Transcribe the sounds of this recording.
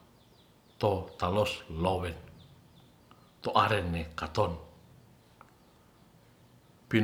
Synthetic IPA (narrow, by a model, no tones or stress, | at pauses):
t̪ot̪aloslowɛn | t̪oʔaɾenːekat̪on | pi